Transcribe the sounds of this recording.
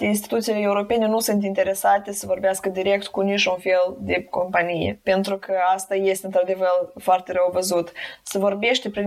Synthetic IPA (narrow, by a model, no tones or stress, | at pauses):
ins̬t̪i̥t̪ut̪silee̞uɾo̞pe̞ne̞nusunt̪̬int̪e̞ɾe̞sat̪e̞səvo̞rbeaskəd̪iɾe̞kt̪kunit͡ʃʲunfe̞ld̪e̞ko̞mpanijḛpe̞nt̪ɾukəast̪aje̞st̪eɨnt̪ɾad̪e̞vərfoart̪eɾəwvəzut̪səvo̞rbe̞ʃt̪epɾi